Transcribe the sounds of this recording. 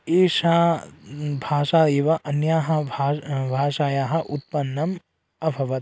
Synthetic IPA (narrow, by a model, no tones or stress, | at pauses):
eːʃaː | bʱaːʃaːd̪eːʋɐʔɐnjaːɦɐ̆bʱabʱaːʃaːjaːɦɐʔut̪̚pɐnːɐm | ɐbʱɐʋɐt̪̚